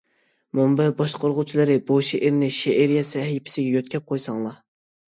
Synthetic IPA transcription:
mumbɛbɑʃqʰoɾʁʊt͡ʃʰilˠɨɾɨbuʃeʔɾnɪʃeʔɪɾjɛsɛhipʰɪ̥sɪɡʲɛjøt̪̚kʲʰɛp̚qʰojsɑŋlˠɑ

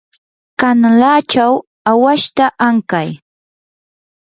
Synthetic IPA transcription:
kanlaːt͡ʃaw | awaʃt̪aʔaŋkaj

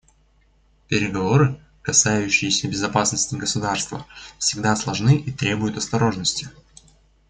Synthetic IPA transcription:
pʲɪɾʲɪɡɐvo̞ɾɨ | kɐsajʉɕːɪjɪsʲəbʲɪzɐpasnəsʲtʲɪɡəsʊd̪arst̪və̰fsʲɪɡd̪aslˠɐʐnɨʔit̪ɾʲe̞bʊjʊt̪ɐst̪ɐɾo̞ʐnəsʲtʲɪ̥

